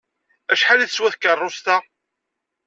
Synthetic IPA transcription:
æʃħalæθəswæθkərˤːʊst̪æ

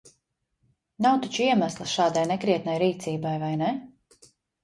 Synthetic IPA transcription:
nawt̪ɔt͡ʃiɛmaslˠɨsʃaːd̪ajnɛkɾiɛt̪̚najɾiːt̪siːbajvajnɛ

